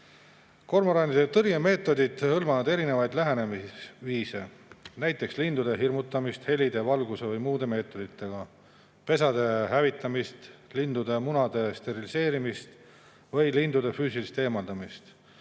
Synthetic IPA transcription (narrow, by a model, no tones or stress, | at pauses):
ko̞rmɑɾɑnid̪et̪ɤrjeme̞ːt̪ːˑo̞d̪id̪̥hɤlmɑvɑd̪e̞ɾine̞vɑjd̪læɦene̞misviːse̞næjt̪ːˑe̞kslind̪ud̪̥e̞ɦirmut̪ːˑɑmist̪he̞lid̪e̞vɑlɡuse̞vɤjmuːd̪e̞me̞ːt̪ːˑo̞d̪̥it̪ːˑe̞ɡ̥ɑ | pe̞s̬ɑd̪̥e̞ɦævit̪ˑːɑmist̪lind̪ud̪e̞munɑd̪̥e̞st̪e̞ɾilise̞ːɾimist̪ | vɤjlind̪ud̪e̞fyːsilist̪e̞ːmɑld̪ɑmist̪